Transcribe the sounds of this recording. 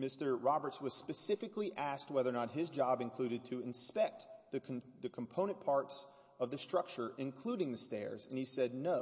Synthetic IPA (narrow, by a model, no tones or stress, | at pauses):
mɪstə˞ɹɑbə˞tswʌz̥spɨsɪfɨkliʔæst̚wɛðə˞nət̚ɦɪzd͡ʒɑbɨ̃nkʰl̥ʉɾɨd̚tʰɨɨ̃nspɛk̚t̚ðɨkʰðɨkʰm̩pʰõʊñɨ̃npʰɑɹts | ʌvðɨstɹ̥ʌk̚t͡ʃə˞ʔɨ̃nkʰl̥uɾɪ̃ŋðɨstɛ̰ɹzɨ̃nisɛdⁿnoʊ